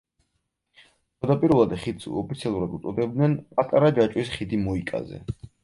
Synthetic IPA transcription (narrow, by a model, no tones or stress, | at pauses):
ad̪apʼiɾulˠad̪ɛχid̪sṵɔpʰit̪sʰialˠuɾad̪ut̪sʼɔd̪ɛbd̪nɛnpʼat̪ʼaɾad͡ʒat͡ʃʼwisχid̪imɔikʼa̰zɛ̰